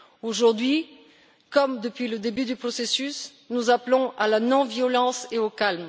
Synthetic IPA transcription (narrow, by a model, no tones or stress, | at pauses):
oʒuʁd̪ɥi | kɔmd̪əpɥiləd̪ebyd̪ypχɔsesys | nuzaplɔ̃alanɔ̃vjɔlɑ̃seokalm